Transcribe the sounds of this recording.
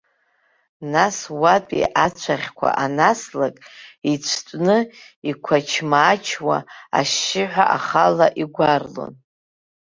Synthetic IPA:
naswapʼḭʔat͡ʃʷʰaχʲkʷʰa̰ʔanaslakʼit͡ɕʷʰtʷʼnɨ | ikʷʰat͡ʃʰmaːt͡ʃʰwaa̰ʃːɪħʷaʔaχalaʔiɡʷarlo̰n

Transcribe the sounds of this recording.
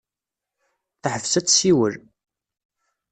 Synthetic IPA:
θħəvsæt͡sːsiwəl

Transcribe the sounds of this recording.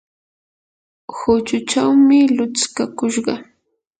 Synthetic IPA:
hʊt͡ʃʊt͡ʃawmɪlʊt͡skakʊʃɢɑ

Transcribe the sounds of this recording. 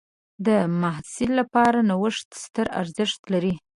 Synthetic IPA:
d̪əmahsɪlːapɑɾanawəʂt̪st̪əɾa̰ɾzəʂt̪laɾi

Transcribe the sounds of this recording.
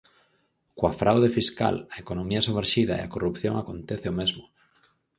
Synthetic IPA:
kwafɾʔawðefiska̰laekonomiasumeɾʃiðaḛakorupθjõ̰ŋakont̪eθeomezmʊ

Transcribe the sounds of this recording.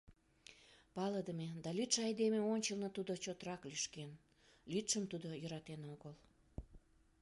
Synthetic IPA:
pɑləd̪əmed̪ɑlit̪ʃɑjd̪emeonʲt͡ɕəlnət̪ud̪ot͡ɕot̪əɾɑkliʃken | lit̪ʃəmt̪ud̪ojə̆ɾɑt̪enoɣəl

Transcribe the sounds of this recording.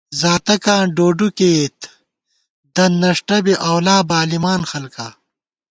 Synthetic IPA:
zaːt̪ɐkãːɖoːɖukeːt̪ | d̪ɐnːɐʂʈɐbiʔɐwlaːbaːlimaːnxɐlka

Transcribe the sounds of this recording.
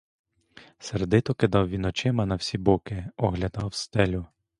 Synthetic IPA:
seɾd̪ɪt̪ɔkɪd̪ɑwʋʲinɔt͡ʃɪmɐnɐwsʲibɔkɪɔɦlʲɐd̪ɑwst̪ɛlʲʊ

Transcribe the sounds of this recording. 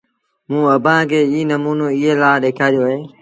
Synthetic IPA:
mũːəbʱãːkʰeːiːnəmuːnoːɪɦeːlaːɗeːkʰaːɾjoːɦeː

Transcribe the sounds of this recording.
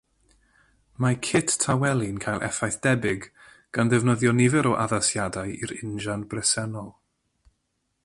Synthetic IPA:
makʰɪttʰawɛlˠɪnkʰajlˠʔɛ̰fajθd̥ɛbɪɡ | ɡ̥anðɛvnəðjɔnɪvɛɾɔʔaðasjadajiɾɪnʒanbrɛsɛnɔlˠ

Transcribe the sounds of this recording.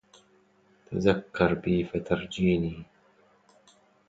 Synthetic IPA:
t̪ʰazakːɑɾˤbiːfat̪ɑɾˤd͡ʒiːniː

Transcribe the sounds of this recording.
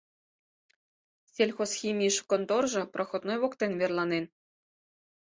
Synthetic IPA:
sʲelʲxosxʲimʲiʃkont̪orʒɤ̆prʔɤ̆xŏt̪nojβokt̪envʲerlˠɑnen

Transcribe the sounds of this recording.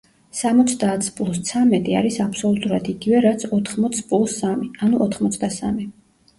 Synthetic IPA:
samɔt̪sʰd̪aːt̪sʰpʼlˠust̪sʰamɛt̪ʼia̰ɾisapʰsɔlut̪ʼuɾad̪iɡivɛɾat̪sʰɔt̪ʰχmɔt̪sʰpʼlˠusamianuʔɔt̪ʰχmɔt̪sʰd̪asami

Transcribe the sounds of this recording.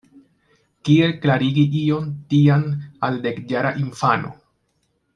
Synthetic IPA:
kielklaɾiɡiio̞ntianalde̞kd͡ʒaɾaʔinfano̞̰

